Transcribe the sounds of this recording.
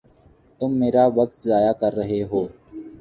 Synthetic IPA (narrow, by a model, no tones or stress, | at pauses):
t̪ʊmːeːɾaːʋək̚t̪zaːjaːkəɾːəɦeːɦoː